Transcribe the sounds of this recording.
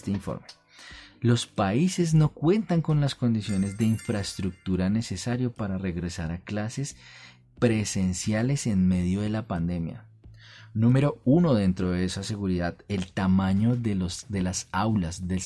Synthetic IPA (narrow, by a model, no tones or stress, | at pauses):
t̪eiɱfo̰ɾme | lo̞spaise̞zno̞kwe̞nt̪aŋko̞nlasko̞nd̪isjo̞ne̞zd̪e̞iɱfɾaest̪ɾuk̚t̪uɾane̞se̞saɾjo̞paɾare̞ɣɾe̞saɾaklase̞s | pɾe̞se̞nsjale̞se̞nme̞ðjo̞ðe̞lapand̪e̞mja̰ | nũme̞ɾo̞uno̞ðe̞nt̪ɾo̞ðeesase̞ɣuɾiðaðe̞lt̪amaɲo̞d̪e̞lasawlazd̪e̞l